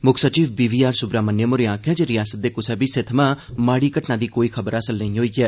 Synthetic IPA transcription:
mʊkʰsət͡ʃiːʋbiːʋiːaːɾsʊbɾaːmənːjəmʊɾɪãːkʰɛːd͡ʒeːɾɪjaːsət̪̚d̪eːkʊsɛːbiːset̪ʰmãːmaːɽiːkəʈnaːd̪iːkoːiːkʰəbəɾəsəlnəɦĩːɦoːiːkɛː

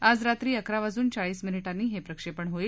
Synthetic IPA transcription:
ad͡zɾat̪ɾiːəkɾaʋad͡zuːnt͡saɭiːsminiʈanːiːɦepɾəkʂepəɳɦoiːl

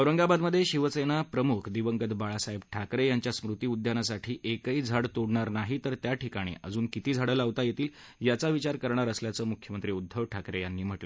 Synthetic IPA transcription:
əʋɾəŋɡabad̪məd̪ʱːjeɕiʋsenapɾəmukʰd̪iʋəŋɡəd̪baɭasaibʈʰakɾejaɲt͡ɕjasmɾut̪iːud̪ʱjanasaʈʰiːʔekəid͡zʱaɽt̪oɽɳaɾnaɦit̪əɾt̪jaʈikaɽ̃ḭʔəd͡zuːnkit̪iːd͡zʱaɽəlaʋt̪ajet̪iːl | jat͡saʋit͡ɕaɾkəɾɳ̃aɾəsljat͡səːmukʰjəmənt̪ɾiːud̪ʱːəʋʈʰakɾejanːiːm̤əʈlə

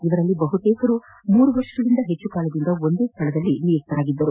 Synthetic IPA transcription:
iʋɐɾɐlːibɐɦut̪eːkɐɾu | muːɾuʋɐɾʂɐlind̪ɐɦet͡ʃːukaːɭɐd̪ind̪ɐo̞nd̪eːst̪ʰɐɭɐd̪ɐlːinikt̪ɐɾaːɡid̪ːɐɾu

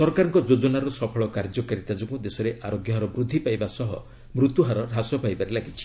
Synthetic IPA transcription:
sɔɾkaɾɔŋkɔd͡ʒod͡ʒɔnaɾɔsɔpʰɔɭɔkaɾd͡ʒɔkaɾit̪ad͡ʒɔŋkud̪esɔɾeʔaɾoɡjɔɦaɾɔbɾud̪ʱːipajbasɔɦɔ | mɾut̪uɦaɾɔɾʱasɔpajbaɾelaɡit͡ʃʰi̥

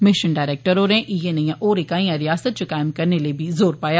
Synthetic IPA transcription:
mɪʃənɖaːɪɾɛːk̚ʈəɾoːɾɛ̃ʔijenɐjãʔoːɾekaːĩjãɾɪjaːsət̪̚t͡ʃokaːɪmkɐɾnelebʱizoːɾpaːjaː

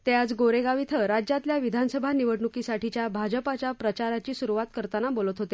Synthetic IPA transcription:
t̪ead͡zɡoɾeɡaʋit̪ʰəɾad͡ʑjat̪ljaʋid̪ʱansəbʱaniʋəɽɳukisaʈit͡ɕjabʱad͡ʑəpat͡ɕjapɾət͡ɕaɾat͡ɕiːsuɾuʋat̪kəɾt̪anabolət̪ɦot̪e

